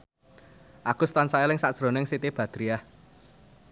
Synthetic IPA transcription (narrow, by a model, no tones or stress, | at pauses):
ʔakust̪ansaɛlɪŋsaʔd̥sɾonɪŋsit̪ib̥ä̤d̪̥ɾiah